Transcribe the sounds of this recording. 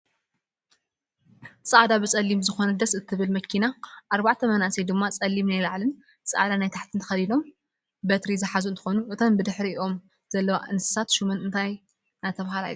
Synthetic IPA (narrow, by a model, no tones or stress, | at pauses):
sʼaʔad̪abɨt͡sʼɐlːimzɨxo̞nɐd̪ɐsɨt̪ʰːɨβɨlmɐkʰinaʔaɾbaʕt̪ʰɐmɐnaʔsed̪ɨmːat͡sʼɐlːimnajlaʕlɨn | sʼɨ̰ʔad̪anajt̪ʰaħt̪ʰɨnt̪ʰɐ̥xɐlilo̞m | bɐt̪ɾizɨħazuɨnt̪ʰɨ̥xonuʔɨt̪ʰombɨd̪ɨħɾiʔiʔo̞m | z̥ɐlːɐwaʔɨnɨsɨ̥sat̪ʃumɨnɨnt̪ʰaj | nat̪ʰːɐβhala̰jlu